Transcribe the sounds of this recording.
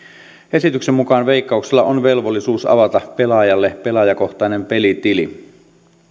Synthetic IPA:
e̞sit̪yksemːukɑːnʋe̞ikːɑukselːɑ̰ʔonʋe̞lʋolːisuːsɑ̰ʋɑt̪ɑpe̞lɑjɑlːepe̞lɑjɑko̞ht̪ɑinempe̞lit̪ili

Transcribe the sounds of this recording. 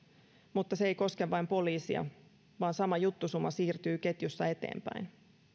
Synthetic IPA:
mut̪ːɑseejko̞skeʋːɑjmpo̞liːsḭɑ̰ | ʋɑːnsɑmɑjut̪ːusumːɑsiːrt̪yːke̞t̪jusːɑe̞t̪e̞̰ːmpæ̰jn

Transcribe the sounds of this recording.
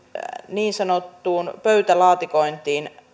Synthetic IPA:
niːnsɑnot̪ːuːnpøyt̪ælɑːt̪ikoint̪iːn

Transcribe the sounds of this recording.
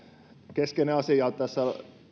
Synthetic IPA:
keskeneɑsijɑlt̪t̪æsːæ

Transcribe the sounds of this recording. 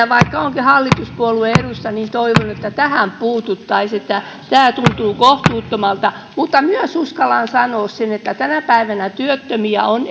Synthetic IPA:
ʋɑikːɑoŋkihɑlːit̪uspuolueerusːɑniːnt̪oiʋonuet̪ːæt̪æhæmpuːt̪ut̪ːɑiset̪ːæ | t̪æːt̪unt̪uːkoht̪uːt̪ːomɑlt̪ɑ | mut̪ːɑmyøsuskɑlɑnsɑnoːssenet̪ːæt̪ænæpæiʋænæt̪yøt̪ːømiæ̰on

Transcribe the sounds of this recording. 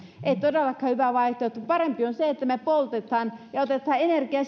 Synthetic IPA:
ʔeit̪odelːɑkhɑhyʋæʋɑiht̪ot̪ːupɑrempionseet̪ːæmepolt̪et̪hɑːnjɑot̪et̪hɑːenerkiɑ

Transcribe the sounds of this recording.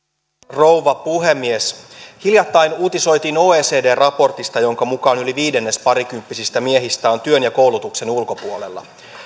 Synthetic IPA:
ro̞wʋɑpuɦe̞mːieshiljɑt̪ːɑjnuːt̪iso̞jt̪iːno̞ːeːse̞ːde̞ːrɑpo̞rt̪ist̪ɑjo̞ŋkɑmukɑːnyliʋiːde̞nːe̞spɑɾik̟ympːisist̪æmie̞ɦist̪æːont̪yø̞njɑko̞wlut̪ukse̞nulko̞puole̞̰lːɑ̰

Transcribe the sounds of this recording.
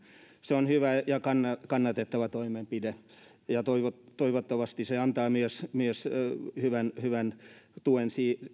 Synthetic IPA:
seonhyʋæjɑkɑnːɑkɑnːɑt̪et̪ːɑʋæt̪oimempide | jɑt̪oiʋott̪oiʋot̪ːɑʋɑst̪iseɑnt̪ɑːmyøsmyøshyʋænhyʋænt̪uensiː

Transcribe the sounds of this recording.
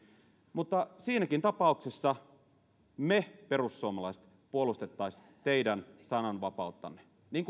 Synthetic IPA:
mut̪ːɑsiːnækint̪ɑpɑˑuksesːɑ | meperusːuomɑlɑist̪ | puolust̪et̪ːɑisʲ | t̪eidænsɑnɑnʋɑpɑˑut̪ːɑ̰nːe | niːŋk

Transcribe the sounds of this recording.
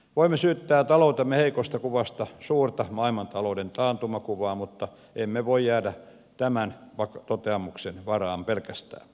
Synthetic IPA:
ʋoimːesyːt̪ːæːt̪ɑlout̪ɑmːeheikost̪ɑkuʋɑst̪ɑsuːrt̪ɑmɑilmɑnt̪ɑloudent̪ɑːnt̪umɑkuʋɑːmut̪ːɑ | emːeʋoijjæːdæ | t̪æmænʋɑkt̪ot̪eɑmuksenʋɑrɑːmpelkæst̪æ̰ːn

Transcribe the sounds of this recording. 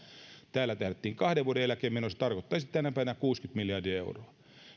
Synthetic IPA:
t̪æːlːæt̪æhɾet̪ːiːŋkɑhdeʋʋuodeælækeːmenose̥t̪ɑrkot̪ːɑisit̪ænæpæˑiʋænækuːskyt̪miljɑrdiɑḛuroɑ

